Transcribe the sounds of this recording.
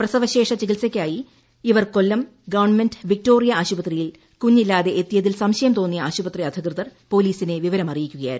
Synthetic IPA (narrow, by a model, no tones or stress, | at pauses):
prɐsɐʋɐɕe̞ːʂɐt͡ɕiɣilsɐkʲːaːji | iʋɐrko̞lːɐmɡɐʋɐrnme̞ndʋik̚to̞ːrijɐaːɕubɐt̪rijil | kuɲːilːaːðe̞ʔet̪ːijɐðilsɐmɕɐjɐmt̪o̞ːnːijɐaːɕubɐt̪riɐd̪ʱikrɨðɐrpo̞ːliːsine̞ʋiʋɐɾɐmɐrijikʲːuɣɐja̰ːɾ